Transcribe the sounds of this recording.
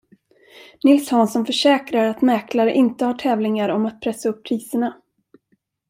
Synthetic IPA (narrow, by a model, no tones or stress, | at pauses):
nɪlshɔnsɔmfœʂɛːkɾaɾat̪mɛːklaɾəʔɪnt̪əhaːʈʰɛːvlɪŋaɾɔmat̪̚pʰɾɛsːaɵpːʰɾiːsəɳa